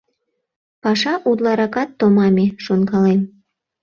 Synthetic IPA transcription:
pɑʃɑʔud̪lɑɾɑkɑt̪ːomɑmʲeʃonkɑlem

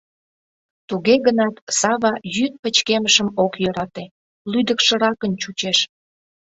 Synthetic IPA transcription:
t̪uɣeɣənɑt̪sɑβɑjyt̪̚pət͡ɕkeməʃəmokjøɾɑt̪e | lyd̪əkʃə̆ɾɑkənt͡ɕut͡ɕeʃ

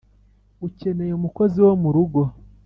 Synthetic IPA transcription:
uce̞ne̞jeumuko̞ziwo̞muɾuɡo̞

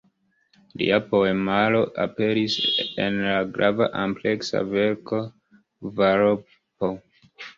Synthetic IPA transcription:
lḭapoemaloʔapeɾisḛnlaɡɾava̰ʔãmpleksa̰veɾko | vao | po

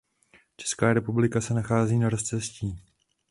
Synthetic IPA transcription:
t͡ʃɛ̥skaːɾɛpublɪkasɛnaxaːziːnaɾost͡sɛsciː

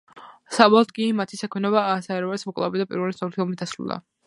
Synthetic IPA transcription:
sabɔlˠɔt̪̚kʼimat̪ʰisakʰwɛnɔbaːsaɛɾɔvalismɔkʼlˠa̰bɛd̪apʼḭɾvɛlist̪ʰɔɾt̪ʰiɔmit̪asɾṵlˠa̰

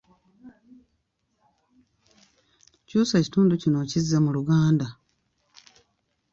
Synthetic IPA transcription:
cuːsaci̥tuːnducino̞cizamuluɡaːnda

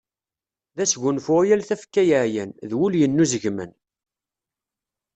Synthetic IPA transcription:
ðæsɡunfʊʁjælθæfkːæjəʕjænðwuljənːuzəʝmən

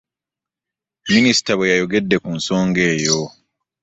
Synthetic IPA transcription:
minisi̥taβwejajo̞ɡe̞dːe̞kunso̞ːŋɡe̞ːjo

